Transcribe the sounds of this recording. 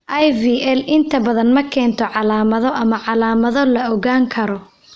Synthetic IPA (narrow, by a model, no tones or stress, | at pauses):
ʔɐjviːʔɛlɪnt̪ʰɐbɐðɐnmɐkʰɛːnt̪ʰɔʕɑlaːmɐðɔʔɐmɐʕɑlaːmɐðɔlɐɔɣaːŋkʰɐɾɔ